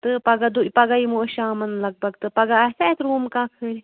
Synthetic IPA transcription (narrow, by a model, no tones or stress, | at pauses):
t̪ɨpɐɡad̪upɐɡaimuʃaːmɐnlɐɡ̚bɐɡt̪ɨpɐɡaɐsat̪ɾuːmkãːkʰəɾi